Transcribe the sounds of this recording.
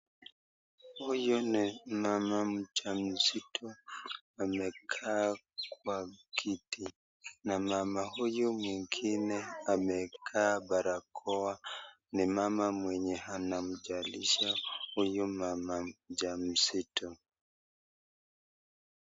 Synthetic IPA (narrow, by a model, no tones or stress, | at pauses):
hujɔnimamam̩t͡ʃam̩sitʰɔ | amɛkʰaː | kwakʰiti | namamahujɔmwiŋɡinɛamɛkʰaːɓaɾakʰɔa | nimamamwɛɲɛhanam̩d͡ʒaliʃahujɔmamad͡ʒam̩sitʰɔ